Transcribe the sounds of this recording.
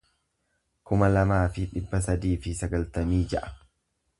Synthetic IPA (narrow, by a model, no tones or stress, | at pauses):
kʊmɐlɐmaːfɪᶑɪbːɐs̬ɐd̪iːfɪsɐɡɐlt̪ɐmiːd͡ʒɐʔɐ̥